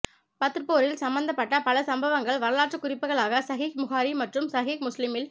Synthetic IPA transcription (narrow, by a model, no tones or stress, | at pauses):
pɐt̪ːɯɾpoːɾɪlsɐmbɐnd̪ɐpːɐʈːɐpɐlɐsɐmbɐʋɐŋɡɐɭʋɐɾɐlaːʈt͡ʃɯkːʊrɪpːɯɣɐɭaːɣɐsɐɣiːkmʊɣaːɾimɐʈrɯmsɐɣikmʊslɪmɪl